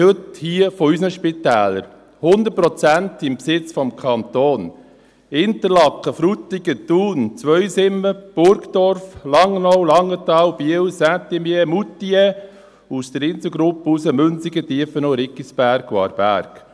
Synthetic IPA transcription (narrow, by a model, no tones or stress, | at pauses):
hɵt̪hiəfɔysnəʃpɪt̪æːləɾ | hʊnd̪ətpɾɔt͡sænt̪ɪmpsɪt͡sfɔmkʰɑnt̪oːn | ɪnt̪əɾlɑkːəfɾut̪ːiɡət̪uːnt͡sʋœʏsɪmːəb̥ʊɾkt̪ɔɾflɑŋːnɔwlɑŋːət̪ɑːwb̥iəwsæt̪imjemut̪ːie | ust̪əɾɪnt̪əɡɾupːəusəmɵnsiɡət̪iəfənɔɾɪkːisb̥æɾkwɑ̰ːɾb̥æ̰ːɾk